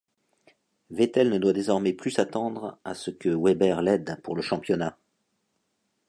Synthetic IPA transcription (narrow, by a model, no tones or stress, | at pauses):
vet̪ɛlnəd̪wad̪ezɔʁmɛplysat̪ɑ̃d̪ʁasəkəwɛbɛʁlɛd̪puʁləʃɑ̃pjɔna